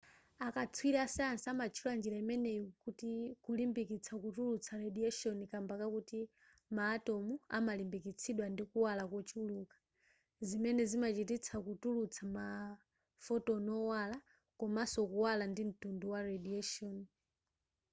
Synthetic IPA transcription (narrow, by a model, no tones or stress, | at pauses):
akat͡sʰwiɾasɛansamat͡ʃʰuland͡ʒiɾaimɛnɛjkutikulimbikit͡sʰakutulut͡sʰaɾɛɗiɛʃɔnikambakakuti | maːtɔmua̰malimbikit͡sʰiɗwandikuwalakɔt͡ʃʰulukḁ | zimɛnɛzimat͡ʃitit͡sʰakutulut͡sʰama | fɔtɔnɔwala | kɔmasɔkuwalandim̩tunduwaɾɛdiɛʃɔni